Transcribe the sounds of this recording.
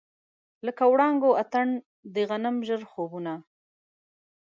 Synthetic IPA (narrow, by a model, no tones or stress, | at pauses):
ləkawɽɑŋɡoat̪aɳ | d̪əɣanəmʒəɾxobuna